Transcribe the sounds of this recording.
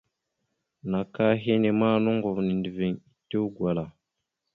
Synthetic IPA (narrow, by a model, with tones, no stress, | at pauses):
na˨ka˦ɦe˦ne˨ma˦nu˦ŋɡo˨vni˨ndi˨ve˨ŋi˨te˦wɡwa˨la˨